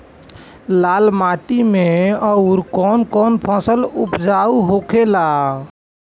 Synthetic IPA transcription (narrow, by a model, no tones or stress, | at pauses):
lalmaʈimeəʊɾkɔnkɔnpʰɔ̃səlupd͡ʒauɦokʰela